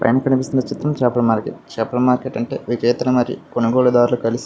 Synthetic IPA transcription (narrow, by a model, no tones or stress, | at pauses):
pɐ̰jnɐkːɐnipist̪undɐt͡ʃit̪ɾɐmt͡ʃɛːpɐlɐmaːɾkḛːʈt͡ʃɛːpːɐɽɐmaːɾkeːʈːɐɳʈe̞̰ːʋikɛːt̪ɐnɐmɐɾḭkonɐɡoːɭud̪aːɾulukɐlisi̥